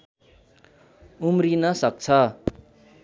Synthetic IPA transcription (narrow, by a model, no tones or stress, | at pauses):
umrinʌsʌk̚t͡sʰʌ